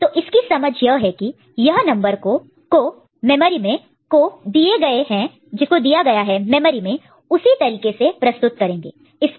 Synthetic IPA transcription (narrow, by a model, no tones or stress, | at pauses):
t̪oːʔɪskisɐməd͡ʒʱjɐɦɛki | jɐɦnɐ̃mbəɾko | ko | mɛməːɾimẽ | kod̪ieɡɐeɦɛ̃ | d͡ʒɪskod̪ijaɡɐjaɦɛmɛməɾimẽ | ʊsit̪ɐɾiːkesepɾɐst̪ʊt̪̚kɐɾẽːŋɡḛː | ɪs